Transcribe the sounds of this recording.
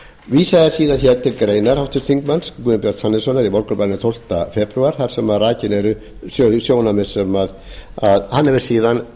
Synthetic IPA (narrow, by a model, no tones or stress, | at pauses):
viːsaðɪsiːðançɛɾt̪ʰɪɾkɾeːjnaɾhawht̪ʏsθiŋkmanskuðɪmpjɛɾt̪hanːɪsɔnaɾivɔɾkʏɾpanɪt̪ʰowl̥t̪afɛpɾʉaɾ̥θaɾ̥sɛmaðraːcɪnɛɾʏ | sosjoːwnamɪ̥sɛmað | aðhanːɛvɪɾ̥siːðan